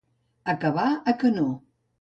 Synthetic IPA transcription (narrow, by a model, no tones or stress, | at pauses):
əkəβaəkəno